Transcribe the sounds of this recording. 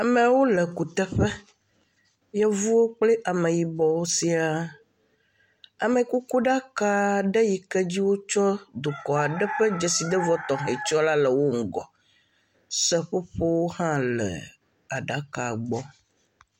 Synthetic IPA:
a˨mɛ̃˨wo˦lɛ˨ku˨t̪ɛ˦ɸɛ˦ | jɛ˦vu˦o˦k͡plɛ˦ʔa˨mẽ˨ji˨bɔ˨wo˦si˦a˨ | a˨mẽ˨ku˦ku˦ɖa˦ka˦ɖɛ˦ji˨kɛ˦d͡ʑi˦wo˦t͡ʃɔ˦d̪o˨kɔ˨a˨ɖɛ˦ɸɛ˦d͡ʒɛ˨si˨d̪ɛ˦vɔ˦t̪ɔ̃˨ɦɛ˨t͡ʃɔ˦la˦lɛ˨wo˦ŋ̩˨ɡɔ˨ | sɛ˦ɸo˦ɸo˦wo˦hã˦lɛ̰˨ | a˨ɖa˦ka˨ɡ͡bɔ˦

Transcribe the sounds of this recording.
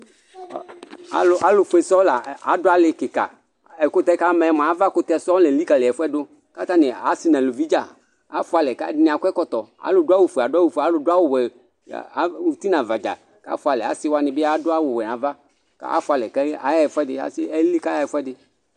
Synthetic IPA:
a˦lʊ˦ʔa˨˦lʊ˨fu˨˦ɛ˨sɔ˦la˨a˨˦dʊ˦a˨˦lɪ˨kɪ˨ka̰˨ | ɛ˨kʊ˦t̪ɛ˦ka˦mɛ˨ɛ˨ma˨a˨˦va˦kʊ˦t̪ɛ˦sɔ˦lɛ˨li˦ka˨lɪ˨ɛ˨fʊ˦ɛ˦dʊ˦ | ka˦t̪a˦nɪ˨a˨˦sɪ˦nã˨lo˨vi˦d͡ʒa˦˨ | a˨˦fʊ˦a˨lɛ˨ka˦dɪ˦nɪ̃˨a˨kʷɛ˦kɔ˦t̪ɔ˨a̰˨˦lʊ˨dʊ˦a˦wu˨fa˨dʊ˦a˦wu˨fa˨˦lʊ˨dʊ˦a˦wʊ˨wɛ̰˨˦ | u˨t̪i˦nã˨va˨d͡ʒa̰˨ | ka̰˦fʊ˦a˨lɛ˨a̰˨˦sɪ˦wa˦nɪ˨bɪ˦a˦dʊ˦a˦wʊ˨wɛ˨n˨ã˨va˦ | ka̰˦a̰˦fʊ˨˦a˨lɛ˨kɛ˦a̰˨˦ja˦ɛ˨fʷʊ˦ɛ˦dɪ˦˨a̰˨˦sɪ˦ɛ˦li˦ka˦ja˦˨ɛ˨fɛ˦dɪ˦

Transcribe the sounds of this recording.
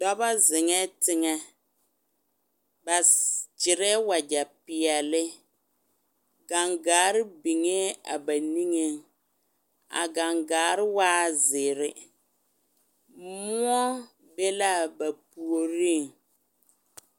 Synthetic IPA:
dɔ˦ba˦zɪ˨ŋɛ˦tɪ˦ŋɛ˦ | ba˨d͡ʒɪ˨ɾɛ˦wa˨d͡ʒa˨pɪ˨ɛ˨lɪ˦ | ɡa˨ŋɡaː˨˦ɾɪ˦bi˨ŋɛ˦a̰˨ba˨ni˦ŋe˦ŋ | a̰˨ɡa˨ŋɡaː˨˦ɾɪ˦waː˦zɪ˨ɾɪ˦ | mʊ˦ɔ˦ | be˦la˦˨ba˨pu˨o˨ɾi˦˨ŋ

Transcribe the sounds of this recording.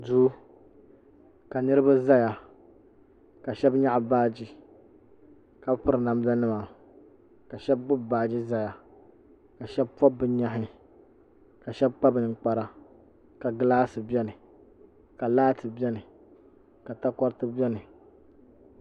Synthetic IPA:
du˦ | ka˨nɨ˦ɾɨ˦ba˦za˦ja˨ | ka˨ʃɛ˦bɲa˦ʔbaː˦d͡ʒi˦ | ka˨bpɨ˦ɾɨ˨na˨m˦za˦nɨ˦ma˨ | ka˨ʃɛ˦b̚bʊ˦bbaː˦d͡ʒi˦za˦ja˨ | ka˨ʃɛ˦b̚pɔ˦bɨ˦ɲa˦ɦɪ˦ | ka˨ʃɛ˦b̚k͡pa˦bɨ˨nɨ˨k͡pa˨ɾa˨ | ka˨ɡɨ˦laː˦sɨ˨bɛ˦nɨ˨ | ka˨laː˦tɨ˨bɛ˦nɨ˨ | ka˨ta˦kɔ˦ɾtɨ˦bʲɛ˦nɨ˨

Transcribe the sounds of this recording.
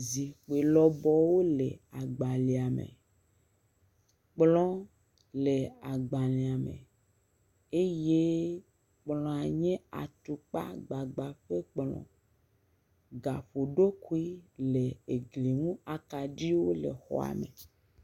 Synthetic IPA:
zi˨xe˨lɔ˦bɔ˦wo˦le˨a˨ɡ͡ba˨li˨a˨mḛ̃˨ | k͡plɔ̃˦ | le˨a˨ɡ͡ba˨le˨a˨mḛ̃˨ | e˦je˦ | k͡plɔ̃˨a˨ɲẽ˦a̰˨t̪u˨k͡pa̰˦ɡ͡ba˨ɡ͡ba˨ɸe˦k͡plɔ̰̃˨ | ɡa˨ɸo˨ɖo˦ku˦i˦le˨e˨ɡli˨ŋũ˦a˨ka˨ɖi˦wo˦lḛ˨xɔ̰˨a̰˨mḛ˨

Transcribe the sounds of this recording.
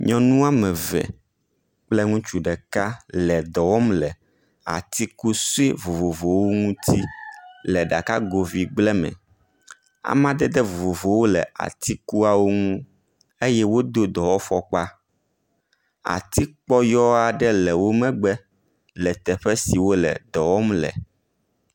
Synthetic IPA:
ɲɔ̃˨nũ˦a˦mɛ̃˨vɛ̰˨ | k͡plɛ˦ŋũ˦t͡ʃu˨ɖɛ˨ka˦lɛ˨d̪ɔ˨wɔ˦mlɛ˨ | a̰˨t̪i˦ku˦so˦i˦vo˨vo˨vo˨wo˦ŋũ˦t̪ʰi˦lɛ˨ɖa̰˨ka˦ɡo˨vi˨ɡ͡blɛ˦mɛ̰̃˨ | a̰˨mã˦d̪ɛ˦d̪ɛ˦vo˨vo˨vo˨wo˦lɛ̰˨a̰˨t̪i˦ku˦a˨wo˦ŋũ˦ | e˦jɛ˦wo˦d̪o˦d̪ɔ˨wɔ˦fɔ˦k͡pa˦ | a̰˨t̪i˦k͡pɔ˦jɔ˦a˨ɖɛ˦lɛ˨wo˦mɛ̃˦ɡ͡bɛ˦ | lɛ˨t̪ɛ˨ɸɛ˦si˨wo˦lɛ̰˨d̪ɔ˨wɔ˦mlɛ̰˨

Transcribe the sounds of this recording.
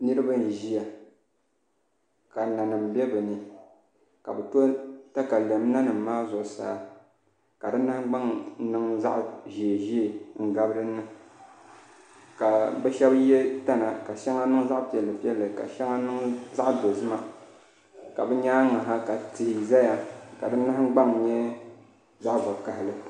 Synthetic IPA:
nɨ˦ɾɨ˦ba˦n̩˨ʒi˦ja˨ | ka˨na˨nɨ˨m̩˨bɛ˦bɨ˨nɨ˨ | ka˨bɨ˨to˦ta˦ka˨lɛ˨m˦na˦nɨ˨m̩˨maː˦zʊ˨ʔʊ˨sa̰ː˨ | ka˨dɨ˦na˦ɡ͡ba˦ŋ˦nɨ˦ŋza̰˦ʔʒeː˨ʒi˦e˨ŋ̩˨ɡa˦bɨ˦ɾɨ˦nːɨ˦ | ka˨bɛ˦ʃɛ˦bjɛ˦ta˦na˨ka˨ʃɛ˦ŋa˦nɨ˦ŋ˦za˦ʔpi˨ɛ˨lːɨ˨pi˦ɛ˦lːɨ˨ka̰˨ʃɛ˦ŋa˦nɨ˦ŋza˦ʔdo˨zɨ˦ma˨ | ka˨bɨ˦ɲaː˦ŋa˨ɦa˦ka˨tɨ˨hi˨za˦ja˨ka˨dɨ˦nːɨ˦hɪ˦ɡ͡ba˦ŋɲɛ˦ | za˦ʔba˨ka˨hɪ˨lɨ˨

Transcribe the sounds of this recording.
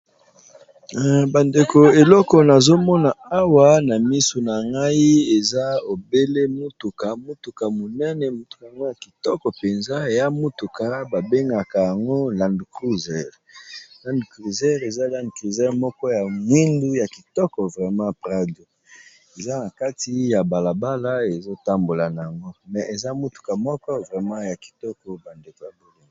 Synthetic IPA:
ba˨nde˨ko˨e˨lɔ˦kɔ˨na˨zo˦mɔ˦na˨a˦wa˦na˨mi˦so˨na˨ŋɡa˦i˦e˨za˦o˨be˦le˦mu˦tu˨ka˨mu˦tu˨ka˨mo˨nɛ˦nɛ˨mu˨tu̥˨ka˨ja˨ŋɡo˦ja˨ki˨tɔ˦kɔ˨pe˨nza˦e˨ja˦mu˦tu˨ka˨ba˨be˦ŋɡa˨ka˨ja˨ŋɡo˦la˨ndu˨ku˦zɛ˦˨ʁ | la˨ndu˨kʁi˨zɛ˦ʁe˨za˦la˨ndu˨kʁi˨zɛ˦ʁmɔ˦kɔ˦ja˨ŋwi˦ndu˦ja˨ki˨tɔ˦kɔ˨vʁɛ˨mã˦pʁa˦do˨ | e˨za˦na˨ka˦ti˦ja˨ba˨la˨ba˦la˦e˨zo˦ta˦mbo˨la˨na˨ja˨ŋɡo˦mɛ˨ʔe˨za˦mu˦tu̥˨ka˨mɔ˦kɔ˦vʁɛ˨mã˦ja˨ki̥˨tɔ˦kɔ˨ba˨nde˨ko˨ja˨bo˨li˦i˨

